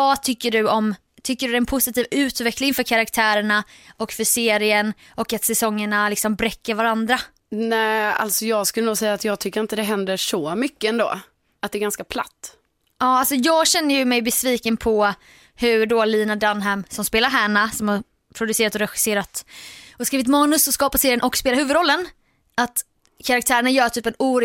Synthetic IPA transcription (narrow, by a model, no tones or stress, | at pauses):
vɑt̪ʰʏkːəɖɵɔm | t̪ʰʏkːəɖɵdɛɛnpʰʊsɪt̪ʰiːvʉ̟ːt̪vɛkːlɪŋfœːɾkʰaɾakt̪ʰæːɾəɳaʔɔkfœseːɾɪən | ʔɔkːat̪sɛsɔŋːəɳalɪksɔmbɾɛkːəɾvaɾand̪ɾa | næːa̰lt̪sɔjɑːɡskɵlːənuːsɛjːat̪jɑːɡ̚t̪ʰʏkːɾɪnt̪əd̪ɛɦɛnd̪əɾʂɔmʏkːəɛnd̪o̰ː | ʔat̪d̪ɛːɾɡanskapʰla̰t̪ː | ɑːalsɔjɑːɡɕɛnːəjɵmɛjbɛsviːkənpʰɔ | hɵɖoːliːnad̪anɦɛmsɔmspeːlaɾɦæːɳasɔmhaɾ | pʰɾʊd̪ɵseːɾat̪ɔɾɛɧɪ̥seːɾat̪ɔskɾiːvɪt̪mɑːnɵsɔskɑːpaseːɾɪjənʔɔkspeːlaɾhʉːvəɵd̪ɾɔlːən | ʔat̪ | kʰaɾak̚t̪ʰæːɾəɳajœːʈʰyːpɛnuːɾ